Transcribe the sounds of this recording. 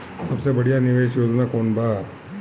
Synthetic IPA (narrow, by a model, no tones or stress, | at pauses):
sɐbsebɐɽijanɪʋeʃjoːd͡ʒnakoːnbʱaː